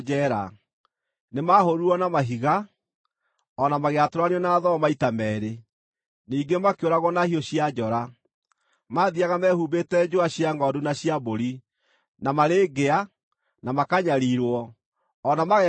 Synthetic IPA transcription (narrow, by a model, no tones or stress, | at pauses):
ɛːɾa̰ | nemaɦoɾuɔnamaɦiɣa | ɔnamaɣeatoɾaneɔnaðɔmaitamɛːɾe | niːɡemakeoɾaɣwɔnahioɕiad͡ʒɔɾa | maðiaɣamɛhuːbetɛd͡ʒoaɕiaŋɡɔdunaɕiaboɾi | namaɾeːɡea | namakaɲaɾiɾwɔ | ɔnamaɣɛ